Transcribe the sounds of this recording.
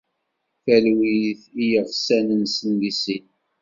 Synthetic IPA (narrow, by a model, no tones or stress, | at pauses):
fælwiθijəʁsænənsəndisin